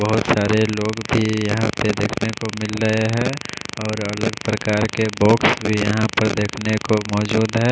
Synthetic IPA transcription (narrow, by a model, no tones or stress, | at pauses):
bəɦʊt̪saːɾeloːɡbʱijɐɦãped̪eːkʰnekomɪlɾəeɦɛ̃ːɔːɾələɡpɾəkaːɾkebɔːksbʱijɐɦãpəɾd̪eːkʰnekomɔːd͡ʒuːd̪ɦɛ̃ː